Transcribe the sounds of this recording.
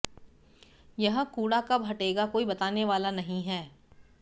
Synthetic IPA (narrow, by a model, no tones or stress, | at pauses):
jɐɦə̃kuːɽakabʱɐʈeːɡakoːibɐt̪aːneʋaːlanɐɦĩɦɛː